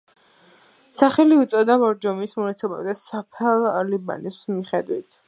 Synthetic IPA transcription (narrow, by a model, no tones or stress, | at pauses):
saχɛliut̪sʼɔd̪amɔɾd͡ʒɔmismɔnat̪sʰɛba̰bd̪asapʰɛlˠaliba̰nismiχɛd̪wit̪ʰ